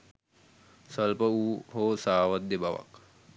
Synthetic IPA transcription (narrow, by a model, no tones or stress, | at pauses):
səlpəuːhoːsaːʋət̪d̪ebaʋa̰k